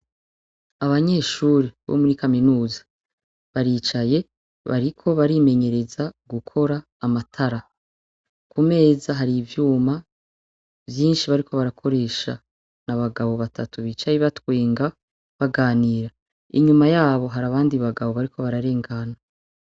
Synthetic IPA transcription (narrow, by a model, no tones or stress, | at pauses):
aβaɲe̞ːʃuːɾeβo̰muɾikaminuːzḁ | βaɾiːt͡ʃaje̞ | βa̰ɾikʰo̞βaɾime̞ɲe̞ɾe̞zaɡukʰo̞ɾaːmatʰaɾa | kume̞ːzaɦaɾivjuːma | vjiːnʃiβaɾikʰo̞βaɾakʰo̞ɾe̞ːʃa̰ | naβaɡaβo̞βatʰa̰tuβiːt͡ʃajeβatwe̞ːŋɡa | βaɡaːniːɾa | ḭɲumajaːβo̞ɦaɾaβaːndiβaɡaβo̞βaɾikʰo̞βaɾaɾe̞ːŋɡana